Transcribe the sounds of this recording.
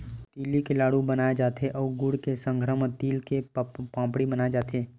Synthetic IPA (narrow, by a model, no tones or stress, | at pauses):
t̪iːlikelaːɽubənaːed͡ʒaːt̪ʰeʔɔːɡʊɽkesə̃ŋɡʱɾəmt̪iːlkepãːpɽibənaːed͡ʒaːt̪ʰeː